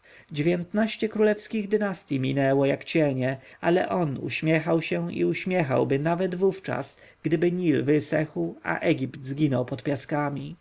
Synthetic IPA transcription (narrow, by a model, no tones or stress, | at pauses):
d͡ʑevʲjɛnt̪naɕt͡ɕɛkɾulɛfskʲiɣd̪ɘnast̪ʲjimʲinɛwɔjakt͡ɕɛɲɛalɛ̰ʔɔnṵɕmʲjɛxawɕɛḭuɕmʲjɛxa̰wbɘnavɛd̪vuft͡ʂa̰s | ɡd̪ɘbɘɲilvɘsɛxwʔa̰ʔɛɡʲipt̪zɡʲinɔwpɔt̪pʲjaskamʲi